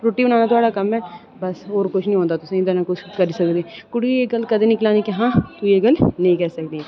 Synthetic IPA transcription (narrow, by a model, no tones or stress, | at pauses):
ɾoːʈːiːʊnãːnaːt̪ʊaːɽaːkəmɛː | bəsɦoːɾkʊt͡ʃʰnĩɦõːnd̪aːt̪ʊsãːd̪əɾnaːkʊt͡ʃʰkəɾiːsəkd̪eːkʊɽieːɡəlkəd̪ẽːnɪklãːnikɪɦãːt̪ueːɡəlnəĩːkɛːsəkd̪e